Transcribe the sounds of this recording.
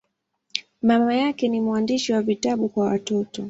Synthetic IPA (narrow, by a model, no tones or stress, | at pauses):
mamajakɛnimwandiʃiwavitaɓukwawatɔtɔ